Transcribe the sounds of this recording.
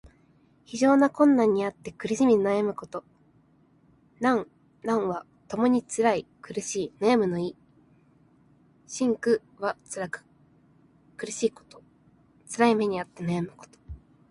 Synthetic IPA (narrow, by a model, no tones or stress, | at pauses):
çiʑo̞ːnakõ̞nːãɲ̟ːiat̪ːe̞kɯ̟ɾɯɕimʲid̪enajamɯ̟ko̞t̪o̞ | nãŋ | nãɰ̃βa | t̪o̞mo̞ɲ̟it͡sɨɾaikɯ̟ɾɯ̟ɕiːnajamɯ̟no̞iː | ɕĩŋkɯ̟ | βat͡sɨɾakɯ̥ | kɯ̟ɾɯ̟ɕiːko̥t̪o̥ | t͡sɨɾaime̞ɲ̟iat̪ːe̞najamɯ̟ko̥t̪o̥